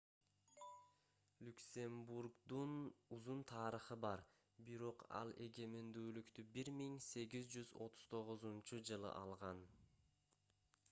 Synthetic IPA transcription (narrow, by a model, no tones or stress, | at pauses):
lʲyksʲe̞mbuɾɡd̪unuzunt̪ʰɑːɾəχɯbɑɾ | biɾo̞qɑ̰lˠe̞̰ɡe̞mend̪yːlykt̪ybiɾmiŋse̞ɡizd͡ʒyzo̞t̪ʰu̥z̥t̪ʰo̞ʁʊzunt͡ʃud͡ʒɯlˠɯ̰ʔɑlˠʁɑn